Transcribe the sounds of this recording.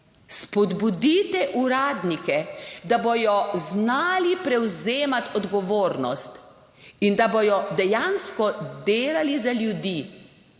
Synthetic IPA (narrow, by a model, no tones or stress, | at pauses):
spɔd̪bud̪iːt̪ɛʔuɾaːd̪nikɛd̪abɔjɔznaːlipɾɛwzeːmat̪ɔd̪ɡɔʋoːɾnɔst̪ | ind̪abɔjɔd̪ɛjanskɔd̪eːlalizaljud̪i